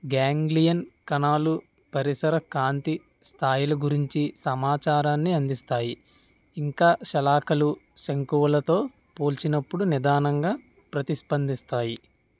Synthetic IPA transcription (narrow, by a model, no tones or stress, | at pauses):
ɡaːŋɡlijɐnkɐnaːlu | pɐɾisɐɾɐkaːnt̪i | st̪ʰaːjulɐɡuɾiɲt͡ʃisɐmaːt͡ʃaːɾaːnːiɐnd̪ist̪aːji | iŋkaːʃɐlaːkɐluʃɐŋkuʋɐlɐt̪o̞ː | po̞ːlt͡ʃinɐpːuɽunid̪aːnɐŋɡaː | pɾɐt̪iʃpɐnd̪ist̪aːji